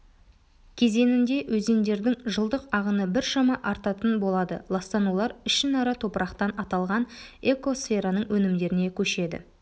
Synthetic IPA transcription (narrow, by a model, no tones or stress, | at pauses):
kʲʰe̞ze̞nɪnd̪e̞ʔwɵze̞nd̪e̞ɾd̪ɪŋʒəlˠd̪əqɑʁənəbɪɾʃɑmɑʔɑɾt̪ɑt̪ənbo̞lˠɑd̪ə̰lˠɑst̪ɑnulˠɑɾɪʃɪnɑɾɑt̪ʰo̞pəɾɑqt̪ɑnɑt̪ɑlˠʁɑne̞ko̞sfe̞ɾanəɴwɵnɪmd̪e̞ɾɪne̞kʲʰɵʃe̞d̪ɪ̰